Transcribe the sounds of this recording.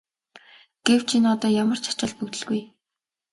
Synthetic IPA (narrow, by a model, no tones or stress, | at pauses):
ɡ̥ew̥t͡ɕʰinɔt̪ɔːjamə̆r̥t͡ɕʰḁt͡ɕăɮ̚pɵkt̪ɵ̆ɮɣuj